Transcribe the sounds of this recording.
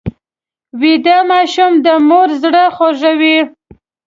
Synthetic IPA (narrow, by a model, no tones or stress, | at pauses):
wid̪amɑʃumd̪əmoɾzɽəxoʒawi